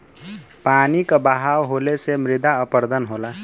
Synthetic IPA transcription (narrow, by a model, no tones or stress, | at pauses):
panikʌbaɦawɦolesemɾid̪aəpəɾd̪ənɦola